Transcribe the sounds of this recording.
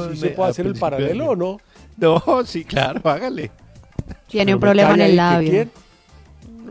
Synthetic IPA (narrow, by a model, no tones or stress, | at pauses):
sieweðaseɾelpaɾaleloːno | nosikla̰ɾoaɣale | t̪je̞neumpɾo̞βleaenelːaβjojeɾ